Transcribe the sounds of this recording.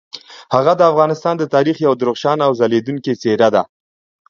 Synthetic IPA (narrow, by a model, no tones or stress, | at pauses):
haɣad̪əafɣɑnɪst̪ɑnd̪ət̪ɑɾixjawd̪ɾoχʃɑnawzaled̪uŋket͡seɾad̪a